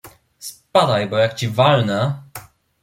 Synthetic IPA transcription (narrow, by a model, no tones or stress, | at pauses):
spad̪ajbɔjakt͡ɕivalnɛ